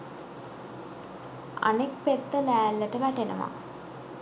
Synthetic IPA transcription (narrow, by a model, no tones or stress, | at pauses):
a̰nek̚pet̪ːəlæːlːəʈəʋæʈenə̰ʋa̰